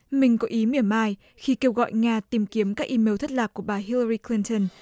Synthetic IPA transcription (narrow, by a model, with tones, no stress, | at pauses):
mï˨˩ŋ̟kɔ˨˦ʔi˨˦mi˨˧˩əmaː˧j | xi˧ke˧wɣɔ̰˧˨jŋaː˧t̪i˨˩mki˨˦əmkaː˦˥k̚ʔi˨˦me˨˦wt̪ʰə˦˥t̚laː˨˩k̚u˧˩əɓaː˨˩ɦi˧lə˧ɾi˧kli˧nt̪ə˧n